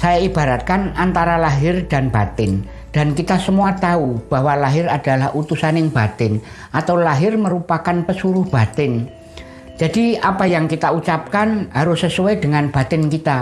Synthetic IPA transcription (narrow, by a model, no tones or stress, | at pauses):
sajaib̥aɾat̪̚kanant̪aɾalaɦɪrd̥anbat̪ɪn | d̥ankit̪asəmuat̪aub̥a̤walaɦɪɾad̥alahʔut̪usanɪŋb̥at̪ɪn | ʔat̪awlaɦɪrməɾupakanpəsuɾʊhb̥a̤t̪ɪn | d͡ʒadiapajaŋkit̪aut͡ʃap̚kanɦaɾʊsəsuɛd̥əŋanb̥a̤t̪ɪnkit̪a